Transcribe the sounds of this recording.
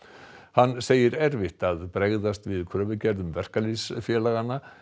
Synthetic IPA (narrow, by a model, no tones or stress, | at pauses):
hanːseːjɪɾɛɾvɪht̪aðpɾeɣðast̪vɪðkʰɾœːvʏcɛɾðʏmvɛr̥kalisfjɛːlaɣanːa